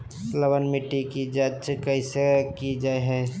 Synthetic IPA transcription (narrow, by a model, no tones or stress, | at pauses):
ləwənmɪʈːikid͡ʒat͡ʃkɐɪsekid͡ʒaːeɦɛ